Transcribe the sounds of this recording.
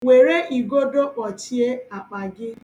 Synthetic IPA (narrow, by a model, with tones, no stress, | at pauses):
we˨ɾe˦ʔi˨ɡo˦do˦k͡pɔ˨ti˦e˦a˨k͡pa˨ɡɪ˦